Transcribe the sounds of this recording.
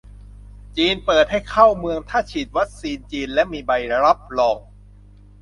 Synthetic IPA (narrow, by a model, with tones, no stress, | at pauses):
t͡ɕiː˧npɤː˨˩t̪̚ha˥˩jkʰa˥˩wmɯ˧əŋt̪ʰaː˥˩t͡ɕʰiː˨˩t̪̚wa˦˥k̚siː˧nt͡ɕiː˧nlɛ˦˥miː˧ba˧jɾa˦˥p̚lɔː˧ŋ